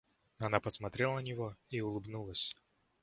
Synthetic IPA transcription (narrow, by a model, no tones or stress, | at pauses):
ɐnapəsmɐt̪ɾʲelˠənənʲɪvoiʊlˠɨbnulˠəsʲ